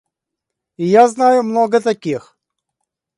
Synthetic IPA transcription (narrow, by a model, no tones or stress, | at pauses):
ɪjaznajʊmnoɡət̪ɐkʲix